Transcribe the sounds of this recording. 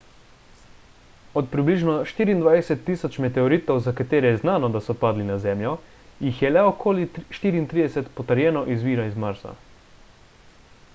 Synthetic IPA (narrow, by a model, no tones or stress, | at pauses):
ɔt̪pɾibliːʒnɔʃt̪iːɾiːnd̪ʋajsɛt̪ːisɔt͡ʃmɛt̪ɛɔɾiːt̪ɔwzakat̪eːɾɛjɛznaːnɔd̪asɔpaːd̪linazɛːmjɔ | jixjɛlɛɔkʰoːliʃt̪iːɾiːnt̪ɾiːd̪ɛsɛt̪pɔt̪əɾjɛːnɔʔizʋiːɾaizmaɾsa̰